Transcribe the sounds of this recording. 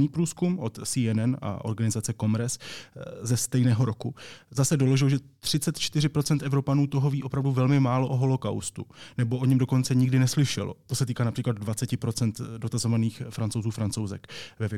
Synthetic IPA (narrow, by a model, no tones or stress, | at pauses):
niːpɾuːskumʔo̞t̪siːɛnɛna̰ʔo̞̰ɾɡanɪzat͡sɛko̞mɾɛszɛst̪ɛjnɛːɦo̞ɾo̞kuzasɛdo̞lo̞ʒɪloʒɛt̪r̝̥ɪt͡sɛt̪t͡ʃt̪ɪr̝ɪpɾo̞t͡sɛnt̪ʔɛvɾo̞panuːt̪o̞ɦo̞viːo̞pɾavduvɛlmɪmaːlo̞ʔoɦo̞lo̞ka̰wst̪unɛbo̞ʔoɲɛmdo̞ko̞nt͡sɛɲɪɡdɪnɛslɪʃɛ̰lo̞̰t̪o̞sɛt̪iːkaːnapr̥iːklad̪̚dvat͡sɛcɪpɾo̞t͡sɛnt̪do̞t̪azo̞vaniːxfɾant͡sowzuːfɾant͡so̞wzɛ̰kvɛvjɛ